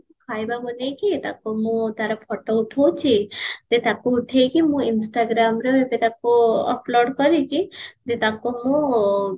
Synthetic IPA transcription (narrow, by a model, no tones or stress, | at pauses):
kʰajbabɔnekit̪akomũt̪aɾapʰɔʈouʈʰowt͡ʃʰit̪et̪akuuʈʰekimũinsʈaɡɾamɾeebet̪akoɔ̰ploɖkɔɾikit̪et̪akomũ